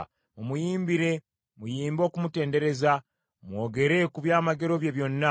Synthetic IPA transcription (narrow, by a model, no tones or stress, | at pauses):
mumujiːmbiɾe̞ | mujiːmbo̞ːkumute̞ːnde̞ɾe̞za | mwo̞ːɡe̞ɾe̞kuβjaːmaɡe̞ɾo̞βje̞βjo̞nːa